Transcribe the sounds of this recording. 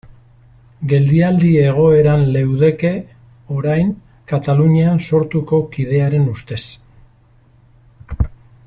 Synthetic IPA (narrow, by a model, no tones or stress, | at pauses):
ɡe̞ld̪iald̪ie̞ɣ̞o̞e̞ɾanle̞wðe̞ke̞ | o̞ɾajŋ | kat̪aluɲeanso̞ɾt̪uko̞kið̞e̞aɾe̞nust̪e̞s